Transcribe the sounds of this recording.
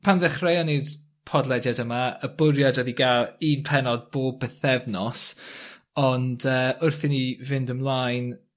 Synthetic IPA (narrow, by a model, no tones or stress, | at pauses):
pʰanðɛχrejɔnir | pʰɔdlˠɛdjadəmaəbʊɾjadɔðiɡalˠiːnpʰɛnɔd̚b̥oːb̚bəθɛvnɔs | ɔndəːʊrθɪnivɪndəmlˠajn